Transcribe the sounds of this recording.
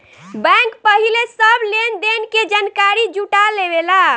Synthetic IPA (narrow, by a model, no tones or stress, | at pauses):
bɛ̃ŋkpəɦilesəblend̪enked͡ʒankaɾid͡ʒuʈalebela